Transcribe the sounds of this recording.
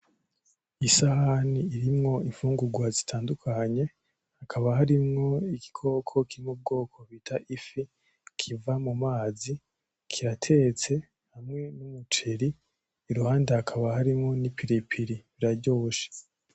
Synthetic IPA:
isahaniːɾimŋo̞iɱfuːŋɡuɡwazitʰaːndukʰaɲe̞ | hakʰaβaɦaɾimŋo̞iɡi̥kʰo̞ːkʰo̞kiɾimmub̚ɡo̞ːkʰo̞βitʰaʔifi | kʰivamumaːzi | kʰiɾatʰe̞t͡se̞ | hamŋe̞numut͡ʃeɾiː | ɾuhaːndahakʰaβahaɾimŋo̞nipʰiɾipʰiɾiβiɾaɾɟo̞ːʃe̥

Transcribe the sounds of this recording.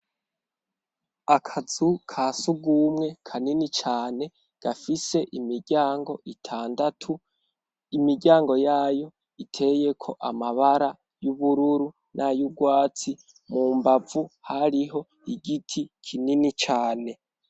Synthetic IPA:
akʰazukʰaːsuɡuːmŋe̞kʰaninit͡ʃaːne̞ | ɡ̥afise̞ʔimiɾɟaːŋɡo̞ʔitʰaːndatʰu | imiɾɟaːŋɡo̞jaːjo̞ | itʰe̞je̞kʰo̞ʔamaβaɾa | juβuɾuɾu | nʔajuɡwaːt͡si | muːmbavuhaɾiɦo̞ | iɡitʰikʰininit͡ʃaːne̞

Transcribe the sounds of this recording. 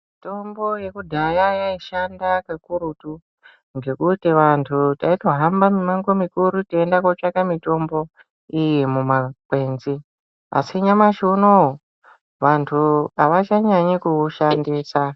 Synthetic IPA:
mmito̞mbo̞je̞kudʱajajaiʃandakekuɾutu | ŋɡe̞kutiʋantʰutaito̞ɦambamimaŋɡomikuɾutiendakot͡ʂakamito̞mbo̞ | ijimumakwe̞ːnzi | a̰siɲamaʃuno | ʋantʰuaʋat͡ʃaɲaɲikuuʃandiːsa

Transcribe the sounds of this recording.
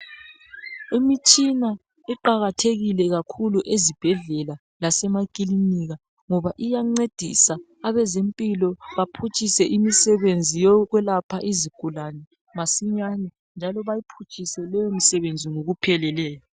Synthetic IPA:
imit͡ʃʼina | iǃaɣatʰeɣilɛɣakʰuluʔezib̥ʱɛɮɛla | lasɛmakʼiliniɣa | ŋɔβaʔijaŋ͡ǀed̥ʱisaː | βɛzempʼilɔβapʰut͡ʃʰʼisɛʔimisɛβend͡zʱijɔɣwɛlapʰaʔiziɡ̥ʱulanɛ | masiɲanɛ | nd͡ʒʱalɔβajipʰut͡ʃʼʰisɛlɛjomisɛβend͡zʱiŋoɣupʰɛlɛlɛːjɔ

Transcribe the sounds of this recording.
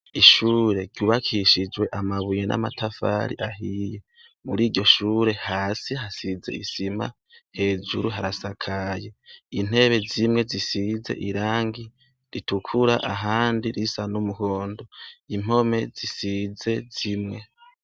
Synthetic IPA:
iʃuːɾe̞ɾjuːβakʰiʃid͡ʒwe̞ʔamaβujenʔa̰matʰafa̰ɾḭʔaɦije | muɾiːɟo̞ʃuːɾe̞haːsihasize̞̰ḭsima̰ | he̞ːd͡ʒuɾuɦaɾasakʰajein̥e̞βe̞zimŋe̞zisize̞̰ʔiɾaːŋɡi | ɾitukʰuɾaʔaɦaːndiɾisanumuho̞ːndo̞im̥o̞me̞zisize̞zimŋe̞

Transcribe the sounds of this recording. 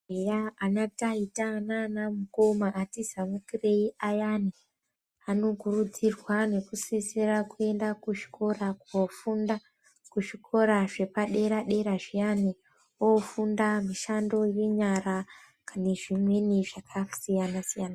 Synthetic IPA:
ejaanataitananamuko̞maʔːtizamukireiʔajani | ano̞kurud͡zirwane̞kusisirakue̞ndakuʐi̥ko̞rakofunda | kuʐikʰo̞ɾaʐe̞paɗe̞ɾaɗe̞ɾaʐijani | ofundamiʃando̞je̞ɲara | kaneʐimwe̞niʐakʰasijanasijana

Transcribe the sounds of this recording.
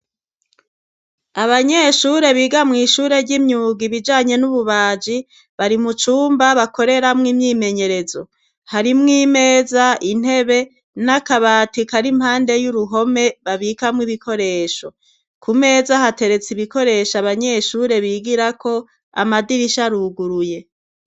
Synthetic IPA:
aβaɲeʃuːɾe̞βiːɡamŋiːʃuːɾe̞ɾɟimɲuːɡiβid͡ʒaːɲe̞nuβuβaːd͡ʒi | βaɾimut͡ʃuːmbaβako̞ɾe̞ɾamŋimɲiːme̞ɲe̞ɾe̞zo̞ | haɾimŋiːme̞ːzain̥he̞βe̞ | nakaβaːtikaɾimhaːnde̞juɾuɦo̞me̞βaβiːkamŋiβikʰo̞ɾe̞ːʃo̞ | kʰume̞ːzahate̞ɾe̞t͡siβiko̞ɾe̞ʃaβaɲeʃuːɾe̞βiːɡiɾako̞ | a̰madiɾiʃaɾuɡuɾuje̞

